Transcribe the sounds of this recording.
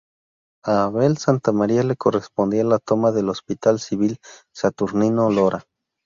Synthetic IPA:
aβelsant̪amaɾialekorespond̪ialat̪omaðelospit̪alsiβil | sat̪uɾninoloɾʔa

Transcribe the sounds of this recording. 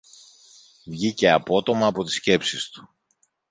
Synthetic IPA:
vʝice̞ɐpo̞t̪o̞mɐːpo̞t̪i̥sce̞psist̪u̥

